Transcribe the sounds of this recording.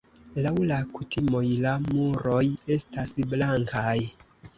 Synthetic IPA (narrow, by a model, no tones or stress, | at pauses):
lawlakutʰimo̞jlamuɾo̞je̞stasblaŋkaj